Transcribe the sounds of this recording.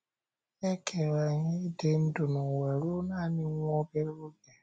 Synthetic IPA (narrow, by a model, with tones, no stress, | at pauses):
e˦kʰe˨wa˨ɲi˦de˦n̩˦dʊ˨nʊ˨we˨ɾu˦naː˦˨ni˦ŋʷɔ˦be˦ɾu˦ɡe˨